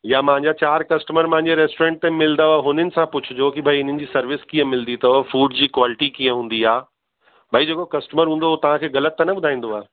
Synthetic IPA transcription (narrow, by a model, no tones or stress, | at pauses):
jamɐ̃ɦɪ̃ɲd͡ʑat͡ɕaːɾkɐsʈəməɾmɐ̃ɦɪ̃ɲd͡ʑeɾɛːsʈoɾẽːɳʈ̚t̪ẽmɪld̪aaːɦʊn̤ənɪ̆sãpʊt͡ɕʰʊd͡ʑokibʱaiɪn̤ənɪ̆d͡ʑiːsɐɾʋɪskiə̃mɪld̪it̪ʰɐofuːɖd͡ʑiːkwaːlɪʈikiːə̃ɦũːn̆d̪iaː | bʱaid͡ʑeːkokɐsʈəməɾɦũːn̆d̪oot̪ɐʋ̤ãkʰeːɣɐlət̪ːnɐɓʊd̪ʱaːĩnd̪oaː